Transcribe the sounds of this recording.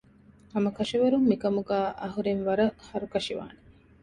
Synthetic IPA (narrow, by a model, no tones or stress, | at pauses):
ɐmɐkɐʃiʋɐɾumːikɐmuɡæːʔɐɦuɾenʋɐɾɐhɐɾukɐʂiʋa̰ːne